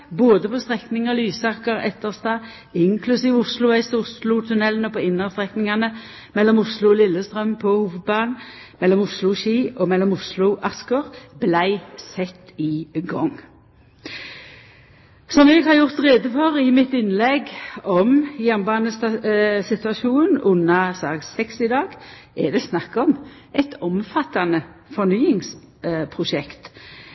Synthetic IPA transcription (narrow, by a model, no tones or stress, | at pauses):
boːd̪əpʰɔst̪ʁɛknɪŋəlyːsɑkəʁɛ̰t̪ːəʁst̪ɑː | ɪŋkʰlʉsiːʋʊslʊæɪst̪əʊslʊt̪ʰʉnɛlːənɔpɔɪnːəʁst̪ʁɛknɪŋɑnə | mɛlːɔmʊslʊɔlɪlːəst̪ʁœmpʰɔhuːʋəd̪̚bɑːnmɛlːɔmʊslʊʃiːɔmɛlːɔmʊslʊʔɑskəʁblæɪsɛt̪ːɪɡɔŋ | sɔmɛɡhɑɾjʊʁt̪ʁeːd̪əfɔʁɪmɪt̪ɪnlɛɡɔmjɛnbɑːnəsɪt̪ʉɑʃuːnn̩ʉnːɑsɑːksɛksɪd̪ɑːɡ | ɛd̪ɛsnɑkːɔm | ʔɛt̪ɔmfɑt̪ɑnəfɔnyːɪŋs | pʰʁʊʃɛkt̪